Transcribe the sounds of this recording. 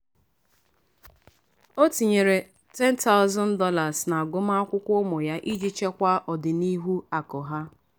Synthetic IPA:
o˦ti˨ɲe˨ɾe˨ | tɛ˦n˦ta˦ʊ˦zɔ˦n̩˦dɔ˦la˨sna˨ɡʊ˦m̩a˦a˦kʷʊ˦kʷʊ˦mʊ˨ja˦ʔi˦d͡ʒi˦t͡ʃe˦kʷa˦ʔɔ˨dɪ˨ni˦ɦu˦a˨kɔ˨ɦa˦

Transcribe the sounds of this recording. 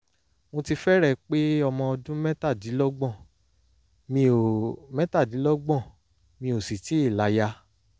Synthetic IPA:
ŋõ˧ti˧fɛ˦ɾɛ˦˨k͡pe˦ɔ˧mɔ̃˧ɔ˧dũ˦mɛ̃˦ta˦˨di˨˦lɔ˦ɡ͡bɔ̃˦˨ | mĩ˧o˨mɛ̃˦ta˦˨di˨˦lɔ˦ɡ͡bɔ̃˦˨ | mĩ˧o˨si˨ti˨˦i˦˨la˨˦ja˧

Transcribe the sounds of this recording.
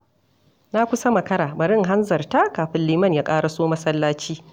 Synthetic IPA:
na˦kʷʊ˦sɐ˦mɐ˨kɐ˦ɽaː˨bɐ˨ɽɪ˦ŋɦa˦nzɐ˨rta˦kaː˨ɸɪ˦nliː˦mɐ˦˨njaː˦kʼaː˦ɽa˨soː˦mɐ˦sɐ˦lːaː˦t͡ʃiː˦

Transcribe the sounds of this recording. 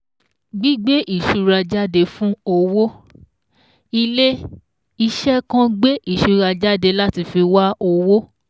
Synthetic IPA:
ɡ͡bi˦ɡ͡be˦ʔi˦˨ʃu˧ɾa˧d͡ʒa˦de˧fũ˦o˧wo˦ | i˧le˦ | i˧ʃɛ˦kã˦ɡ͡be˦ʔi˦˨ʃu˧ɾa˧d͡ʒa˦de˧la˦ti˧fi˧wa˦o˧wo˦

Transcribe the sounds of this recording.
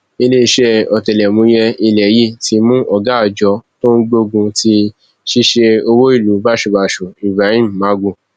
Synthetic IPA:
i˧le˦˧ʃɛ˦ɔ˨tɛ˨lɛ˨mũ˨˦jɛ˧i˧lɛ˨˦ji˦˨ti˨˧mũ˦ʔɔ˦˨ɡa˨˦ɔ˨d͡ʒɔ˨˦to˦n̩˦ɡ͡bo˧ɡũ˧ti˧ | ʃi˦ʃe˧o˧wo˦i˦˨lu˨˦ba˦˨ʃu˧˨ba˧˨ʃu˨i˨bɾa˨˦ĩ˦m̩˨mã˨˦ɡũ˦˨

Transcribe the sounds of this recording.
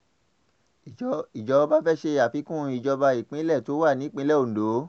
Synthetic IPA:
i˨d͡ʒɔ˧ba˦fɛ˦˨ʃe˧a˨fi˧˦kũ˦i˨d͡ʒɔ˧ba˧i˨k͡pĩ˦lɛ˦˨to˨˦wa˦˨nĩ˨˦k͡pĩ˦lɛ˦˨o˨n̩˨do˨˦

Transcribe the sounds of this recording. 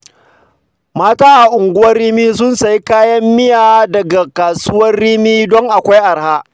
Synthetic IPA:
maː˦taː˦ʔa˨ʔʊ˨ŋɡʷʊ˦wɐ˦rːiː˦miː˦s̬ʊ˦nsa˨ji˦kaː˦jɐ˦mːɪ˦jaː˨dɐ˨ɡa˨kaː˨sʊ˦wɐ˦rːiː˦miː˦dɔ˦ŋʔa˨kʷa˦jʔa˨ɽhaː˦ʔ

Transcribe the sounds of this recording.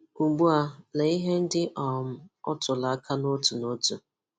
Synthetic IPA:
u˨ɡ͡bu˦a˦˨le˨i˦ɦe˦n̩˦dɪ˦ʔɔ˨m̩˦ɔ̰˦tʊ˨la˨a˦ka˦no˦tu˨no˦tu˨

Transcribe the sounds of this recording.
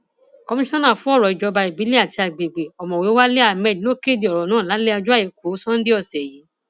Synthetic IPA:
kɔ˧mĩ˦ʃɔ̃˦nã˦˨fũ˨˦ɔ˦˨ɾɔ˨i˨d͡ʒɔ˨˧ba˧i˨bi˨˦li˦a˦˨ti˧a˨ɡ͡be˨ɡ͡be˨ɔ˨mɔ̃˨we˨˦wa˦le˦a˦˨mɛ˨˦lo˦ke˦˨di˧ɔ˨ɾɔ˨nãː˦˨la˨˦le˦a˧d͡ʒu˦a˦˨i˨˧˦ko˨˦sɔ̃˦n̩˦di˦ɔ˦˨sɛ˨ji˨˦

